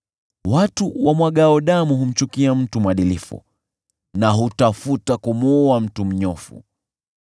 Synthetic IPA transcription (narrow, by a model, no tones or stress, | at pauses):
watuwamwaɠaɔɗamuɦum̩t͡ʃukiam̩tumwaɗilifṵ | naɦutafutakumuam̩tum̩ɲɔfṵ